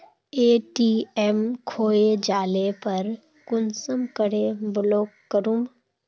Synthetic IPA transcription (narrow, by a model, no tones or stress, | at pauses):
eːʈiːɛmkʰoːed͡ʒaːlepɐɾ | kʊnsəmkəɽebloːkːəɾũm